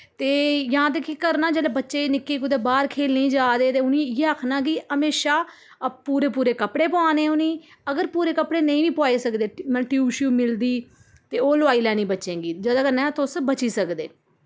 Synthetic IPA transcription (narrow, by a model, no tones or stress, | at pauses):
t̪eːjãːt̪̬əkːikəɾnaːd͡ʒeːleːbətːʃeːnɪkːeːkʊd̪eːbaːɾkʰeːlneĩːd͡ʒaːd̪eːt̪eːʊnĩːjeəkʰnãːɡiːəmeːʃaː | puːɾeːp̬uːɾeːkəpɽeːpoaːneːʊnĩː | əɡəɾpuːɾeːkəpɽeːnəĩːʋiːpʊaːiːsəkd̪eːmɛnʈiuːʃjuːmɪld̪iː | t̪eːoːlʊaːiːlɛːnĩːbətːʃẽːɡiːd͡ʒəd̪ãːkəɾnɛ̃ːt̪ʊsbət͡ʃiːsəkd̪ḛː